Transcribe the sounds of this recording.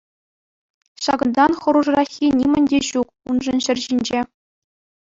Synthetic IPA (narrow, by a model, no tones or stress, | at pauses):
ɕɑɡɤ̆nd̪ɑnχɤ̆ɾuʐrɑxʲinʲimʲɘ̆nʲdʲeɕuk̚unʐɤ̆nɕɘ̆rʲʑinʲd͡ʑe